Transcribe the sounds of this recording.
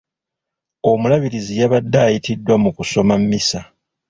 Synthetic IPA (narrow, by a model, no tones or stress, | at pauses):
o̞mulaβiɾizijaβadːaːjitidːwamukuso̞mamːisa